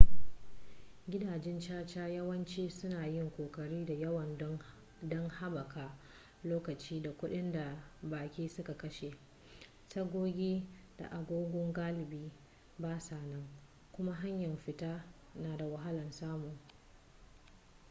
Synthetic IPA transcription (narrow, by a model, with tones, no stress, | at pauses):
ɡʲɪ˦daː˨d͡ʒɛ˦nt͡ʃaː˦t͡ʃaː˦jɐ˦wɐ˦nt͡ʃiː˦sʊ˦naː˨jɪ˦ŋkʷoː˨kɐ˨ɽiː˦da˨jɐ˦wɐ˨n˦ | dɔ˦ŋha˦bɐ˨kaː˨ | loː˦kɐ˨t͡ʃiː˦da˨kʷʊ˦ɗɪ˦nda˨baː˨kʲiː˦sʊ˦ka˨kɐ˦ʃe˨ | tɐ˦ɡʷoː˦ɡʲiː˦d̥a̰˨ʔa˨ɡʷoː˦ɡʷɔ˦ŋɡaː˦lɪ˨biː˦ | baː˦saː˨nɐ˦ŋ | kʷʊ˦ma˦ɦa˦ɲjɐ˨mɸɪ˨taː˦ | naː˨da˨wɐ˨ɦa˦lɐ˨nsaː˦mʊ˨ŋ